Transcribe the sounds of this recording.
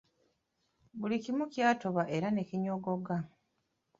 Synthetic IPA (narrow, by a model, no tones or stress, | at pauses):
βulikimucjaːto̞βaʔe̞ɾane̞ciɲoɡo̞ɡa